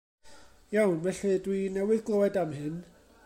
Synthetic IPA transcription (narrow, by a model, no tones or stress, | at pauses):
jawnvɛɬɨdwinɛwɪðɡlˠoːɛdamɦɪn